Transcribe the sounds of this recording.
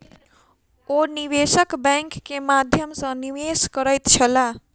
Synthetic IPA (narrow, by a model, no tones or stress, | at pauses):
oniwesəkbəŋkːemad̪ʱjʌmsʌ̃niweskʌɾʌjt̪t͡ʃʰʌla